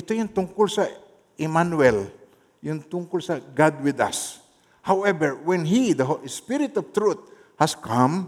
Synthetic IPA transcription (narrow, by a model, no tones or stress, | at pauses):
ʔɪt̪ojʊŋt̪ʊŋkʊlsɐ | ʔɪmanwɛl | jʊŋt̪ʊŋkʊlsɐɡad̪wɪd̪a̰s | hawɛbɛɹwɛ̃nɦid̪ɐɦolspɪɾɪt̪ɔvt̪ɾut̪̚ | haskʰãm